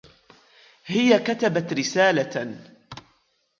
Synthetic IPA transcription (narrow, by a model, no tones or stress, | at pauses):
hɪjakat̪abat̪ɾɪsaːla